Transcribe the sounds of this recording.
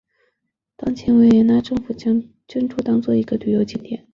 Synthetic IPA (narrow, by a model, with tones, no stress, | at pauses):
t̪ɑ˥ŋt͡ɕʰjɛ˧˥nwe˧˥ɪjɛ˧˥na˥ʈ͡ʂɤ˥˧ŋfu˨˩t͡ɕjɑ˥ŋ | t͡ɕɥɛ˥nʈ͡ʂʰu˥t̪ɑ˥ŋt͡swɔ˥˩i˧˥ɡə˧t̪y˨˩jo˧˥ʊt͡ɕi˥˩nt̪jɛ̰˨˩˦n